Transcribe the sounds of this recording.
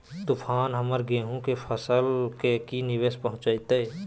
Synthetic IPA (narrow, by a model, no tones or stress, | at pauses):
t̪upʰaːnɦəməɾɡeːɦũkepʰəsəlkekinɪʋeːspəɦʊ̃t͡ʃait̪e